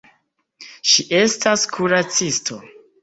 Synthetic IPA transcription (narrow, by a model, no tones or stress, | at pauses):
ʃiʔe̞staskʰuɾat͡sistʰo̞